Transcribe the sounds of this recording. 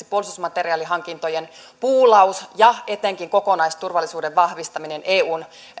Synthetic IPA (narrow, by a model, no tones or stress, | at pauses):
ipuolisusmɑt̪eriɑːliɦɑŋkint̪ojenpuːlɑusjɑe̞t̪eŋkiŋko̞ko̞nɑist̪urʋɑlːˑisuːdeʋʋɑhʋist̪ɑminenʔeːuːn